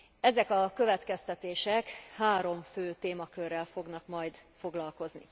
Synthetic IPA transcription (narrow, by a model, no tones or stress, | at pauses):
ɛzɛkɒkø̞vɛt̪kɛst̪ɛt̪eːʃɛkhaːɾo̞mføːt̪eːmɒkørːɛlfo̞ɡnɒkmɒjd̪fo̞ɡlɒlko̞zni